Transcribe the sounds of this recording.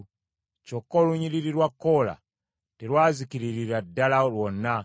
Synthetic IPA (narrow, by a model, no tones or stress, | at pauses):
t͡ʃɔkoluɲiɾiɾiɾwakola̰ | teɾwaːzikiɾiɾiɾadalalwona